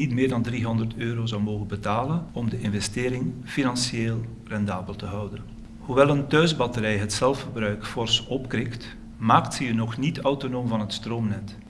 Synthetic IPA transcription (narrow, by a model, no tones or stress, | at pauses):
itmɪːɹdɑndriɦɔndərtøːɾowzɑwmoːɣənbətaːlənɔmdəʔɪnvɛstɪːɾɪŋfinɑnsjeːlˠ | rɛndaːbəlˠtəɦɑwdən | huʋɛlˠəntœɥzbɑtəɾɛjɦətsɛlˠfərbrœɥkfɔrsɔpkrɪkt | maːktsəjənɔxnitœwtonoːmvɑnɦətstroːmnɛt